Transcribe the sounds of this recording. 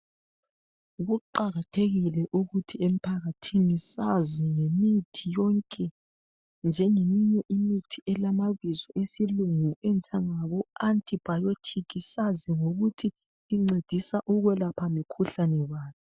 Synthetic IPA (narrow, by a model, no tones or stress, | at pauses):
ɣuǃaɣatʰeɣilɛʔuɣutʰiem̩pʰaɣatʰinisaziŋemitʰijɔŋkʼɛ | nd͡ʒʱɛŋemiɲɛʔimitʰiʔɛlamaβizɔʔesiluŋuɛnt͡ʃʼaŋaβɔantʼib̥ʱajotʰikʰisaziŋoɣutʰiː | ŋ͡ǀed̥ʱisaʔuɣwɛlapʰamikʰuɬanɛwaːβi